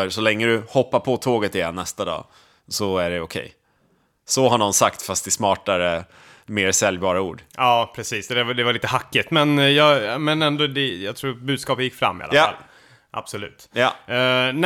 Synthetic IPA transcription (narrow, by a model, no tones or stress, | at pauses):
œɾsɔlɛŋːəd̪ɵhɔpːapʰɔt̪ʰoːɡət̪ɪjɛnːɛst̪ad̪ɑ̰ː | sɔæɖɛʊkʰɛ̰j | sɔɦaɳɔnsakt̪fast̪̚d̪ɪsmɑːʈaɾə | meːɾsɛljbɑːɾaṵːɖɑːpʰɾɛsiːsd̪ɛd̪ɛvaɾliːt̪əhakːɪt̪mɛnjɑːmɛnɛnd̪ɔd̪ɛjɑt̪ʰɾuːɾbʉ̟d̪skɑːpət̪jɪkːfɾa̰mːɪ̰a̰a̰lː | ʔa̰b̥sɔlʉ̟ːt̪ | n